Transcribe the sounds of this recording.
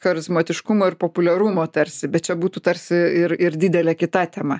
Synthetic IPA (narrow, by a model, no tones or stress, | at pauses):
xɐɾʲɪzmoːt̪ʲɪʃkʊmoːɪɾpoːpʊlʲɛɾumoːt̪ɐɾʲsʲɪbʲɛt̪t͡ʃʲɛbuːt̪uːt̪ɐɾʲsʲɪɪɾɪɾd̪ʲɪd̪ʲɛlʲɛkʲɪt̪ɑːt̪ʲeːmɐ